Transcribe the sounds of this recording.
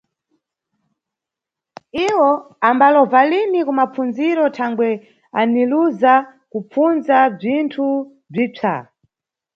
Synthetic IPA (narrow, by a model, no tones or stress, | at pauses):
iwɔ | ambalɔvalinikumap͡funziɾɔtʰaŋɡwɛ | aniluza | kup͡funzab͡ʐintʰu | b͡ʐit͡ʂʰa̰